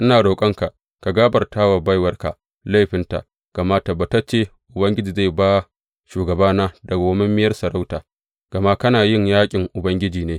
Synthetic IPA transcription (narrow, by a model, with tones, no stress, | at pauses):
ʔɪ˦naː˨ɽoː˨kʼɐ˦ŋka˨ʔ | ka˨ɡaː˦bɐ˨rtaː˦wa˨ba˦jwɐ˦rka˨ | la˦jɸɪ˦nta̰˨ | ɡ̥a˨ma˦ta˨ba˨ta˦t͡ʃeː˦˨ʔʊ˨bɐ˦ŋɡʲɪ˦d͡ʒiː˨za˦˨baː˦ | ʃuː˨ɡɐ˨baː˦naː˦dɐ˨ɡa˨˦mɐ˦mːɪ˦jɐ˦rsɐ˨ɾa˦wtaː˨ | ɡ̥ɐ˨ma˦kɐ˦naː˨jɪ˦ɲjaː˦kʲʼɪ˨ŋʔʊ˨bɐ˦ŋɡʲɪ˦d͡ʒiː˨neː˦